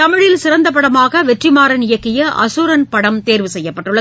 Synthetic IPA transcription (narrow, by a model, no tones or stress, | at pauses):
t̪ɐmɪɻɪlsɪɾɐnd̪ɐp̬ːɐɽɐmaːɣɐʋɛʈrɪmaːɾɐnɪjɐkːɪjɐʔɐsuːɾɐnpɐɽɐmt̪eːɾʋɯsɛjːɐpːɐʈːɯɭːɐ